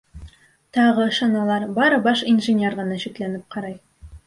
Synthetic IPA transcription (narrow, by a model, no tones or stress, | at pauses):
t̪ɑʁɤʃɑnɑlˠɑɾbɑɾɤbɑʃinʒɘ̆nʲerʁɤ̆nɑɕiklænɘp̚qɑɾɑj